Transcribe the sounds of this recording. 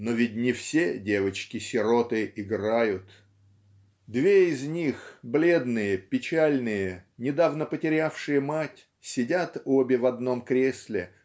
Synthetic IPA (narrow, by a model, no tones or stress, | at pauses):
novʲɪt̚ʲnʲɪfsʲedʲe̞vət͡ɕkʲɪsʲɪɾot̪ɨɪɡrajʊt̪ | d̪vʲeɪzʲnʲixblʲe̞d̪nɨjəpʲɪt͡ɕælʲnɨjənʲɪd̪avnəpətʲɪɾʲafʂɨjəmatʲ | sʲɪdʲat̪obʲɪvɐd̪no̞mkɾʲesʲlʲɪ